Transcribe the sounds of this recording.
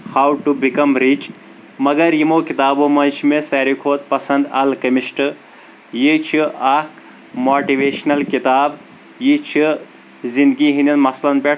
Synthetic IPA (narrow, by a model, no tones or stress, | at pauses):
haːwʈubikɐmɾit͡ʃ | mɐɡɐɾjimoːkit̪aːbomɐnt͡ʃʰmeseɾikʰhoːt̪̚pɐsɐ̃nd̪ɐ̰lkɐmiʃʈɨ | jit͡ʃʰiʔɐk | moːʈiʋeːʃnɐlkit̪aːb | jit͡ʃʰi | zĩnd̪ɡiɦinʲɐnmɐslɐnpeʈ